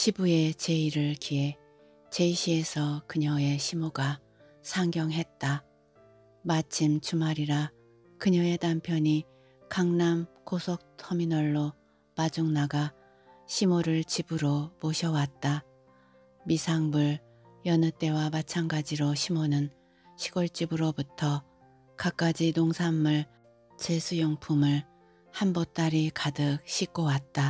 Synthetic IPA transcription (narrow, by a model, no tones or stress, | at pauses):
ɕʰibue̞t͡ɕe̞iɾɯɭkie | t͡ɕe̞iɕʰie̞sʰʌkɯɲʌe̞ɕʰimoɡa | sʰaŋɡjʌŋɦe̞t̚t͈a | mat͡ɕʰimt͡ɕʰumaɾiɾa | kɯɲʌe̞dampʰjʌɲi | kaŋnamkosʰʌk̚tʰʌminʌɭːo | mad͡ʑuŋnaɡa | ɕʰimoɾɯɭt͡ɕibɯɾopoɕʰʌwat̚t͈a | misʰaŋbuɭ | jʌnɯt͈e̞wamat͡ɕʰanɡad͡ʑiɾoɕʰimonɯn | ɕʰiɡoɭt͡ɕ͈ibɯɾobutʰʌ | kak͈ad͡ʑinoŋsʰamːɯɭ | t͡ɕesʰujoŋpʰumɯɭ | hambot͈aɾikadɯk̚ɕʰik͈owat̚t͈a